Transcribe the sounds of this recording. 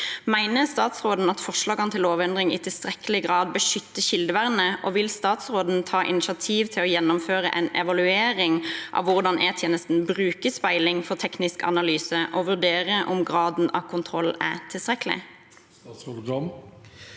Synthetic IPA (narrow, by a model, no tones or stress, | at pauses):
mæɪnəst̪ɑːt̪sʁoːd̪n̩ɑt̪fɔʂlɑːɡɑnət̪ʰɪloːʋɛnd̪ʁɪŋɪ̰t̪ʰɪlst̪ʁɛkəlɪɡʁɑːd̪̚bəʂʏt̪ːəɕɪld̪əʋæʁnəʔɔʋɪlst̪ɑːt̪sʁoːd̪n̩t̪ʰɑːʔɪ̰nɪʃɑt̪ʰiːʋt̪ʰɪlɔjɛnːʊmføːʁə̰ʔɛnɛʋɑlʉeːɾɪŋʔɑ̰ʋʋʊʁd̪ɑnʔɛt̪ʰjeːnəst̪n̩bʁʉːkəspæɪlɪŋfɔʁt̪ʰɛknɪskɑ̰nɑlyːsəʔɔʋʉʁd̪eːʁəʔʊmɡʁɑːd̪n̩ɑ̰ʋkʰʊnt̪ʰʁɔlæ̰t̪ʰɪlst̪ʁɛkəlɪ̰ | ɡɑm